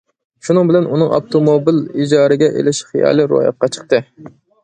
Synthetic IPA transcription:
ʃunɨŋbɪlɛnunɨŋɑ̰p̚t̪ʰomobilid͡ʒɑːɾɨɡʲɛʔḛlɪʃχijɑ̰ːlˠɨɾṵjɑ̰q̚qɑt͡ʃʰə̥qt̪ɨ

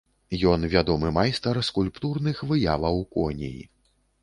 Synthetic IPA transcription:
jɔnvʲad̪ɔmɨmajst̪ɐrskulʲpt̪urnɨxvɨjavˠɐwkɔnʲḭjḭ

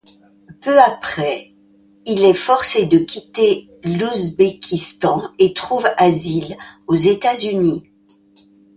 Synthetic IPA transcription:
pøapχɛ | ilɛfɔʁsed̪əkʲit̪e | luzbekʲʰist̪ɑ̃et̪χuvazilozet̪azyni

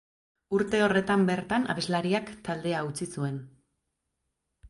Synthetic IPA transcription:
uɾt̪e̞o̞re̞t̪ambe̞ɾt̪ana̰βe̞zlaɾiakt̪ald̪e̞aut͡sisue̞n

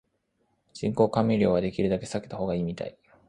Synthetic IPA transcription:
d͡ʑĩŋko̞ːkamʲeɾʲjo̞ːβad̪e̞kʲiɾɯ̟d̪ake̞saket̪aho̞ːɡaiːmʲit̪a̰i

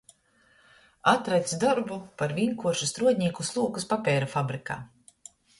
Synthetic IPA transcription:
at̪ɾajt̪sd̪ɔɾbupaɾvʲiŋkuɔɾʃust̪ɾuɔd̪ʲɲiːkuslˠuɔkuspapʲɛːɾafabɾika̰ː

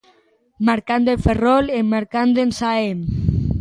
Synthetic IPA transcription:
maɾkand̪elferolemːaɾkand̪ensaem

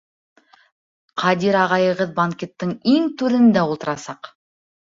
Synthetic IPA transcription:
qʰɑd̪iɾɑʁɑjɤ̆ʁɤðbaŋkʲet̪ːəɴiŋt̪ʉɾɘ̆nd̪æulˠt̪ɤ̆ɾɑsɑq

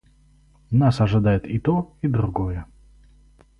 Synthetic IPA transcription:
nasɐʐɨd̪ajɪt̪it̪oid̪ɾʊɡojə

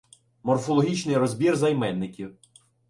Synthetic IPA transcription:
mɔrfɔlˠɔɦʲit͡ʃnɪjɾɔzʲbʲirzɐjmɛnːɪkʲiw

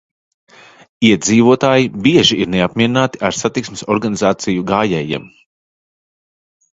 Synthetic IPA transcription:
iɛd̪ziːvuɔt̪aːjibiɛʒiiɾneapmʲiɛɾinaːt̪iʔaɾsat̪iksmɪsɔɾɡanizaːt̪sijuɡaːjɛːjḭɛm

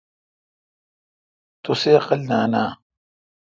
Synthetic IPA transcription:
t̪oseɐqɐlnaːnaː

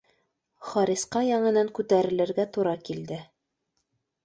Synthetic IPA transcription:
χɑɾʲisqɑjɑɴɤ̆nɑŋkʉt̪æɾɘ̆lɘ̆ɾɡæt̪uɾɑkild̪ɘ

